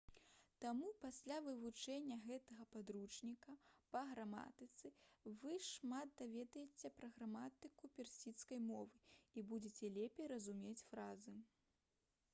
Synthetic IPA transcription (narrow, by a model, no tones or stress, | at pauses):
t̪amupasʲlʲavɨvut͡ʂɛnʲːɐɣɛt̪ɐɣɐpad̪ɾut͡ʂnʲikɐpɐɣɾama̰t̪ɨt̪sɨvɨʂmat̪̚d̪avʲɛd̪ɐjet͡sʲɛpɾɐɣɾamat̪ɨkupʲɛrsʲit̪skɐjmɔvɨibud͡zʲet͡sʲɛlʲepʲejɾɐzumʲet͡sʲfɾazɨ